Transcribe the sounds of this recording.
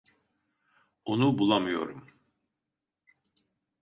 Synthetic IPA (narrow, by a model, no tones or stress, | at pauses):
onubulˠamɯjo̞̰ɾum